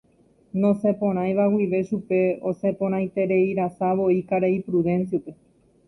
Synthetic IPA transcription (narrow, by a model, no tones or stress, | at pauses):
nõ̞sepõ̞ɾ̃ãj̃ʋawiʋe̞ʃupe̞o̞se̞põ̞ɾ̃ãj̃t̪e̞ɾe̞iɾasaʋo̞ikaɾeipɾuðẽ̞nsjupe̞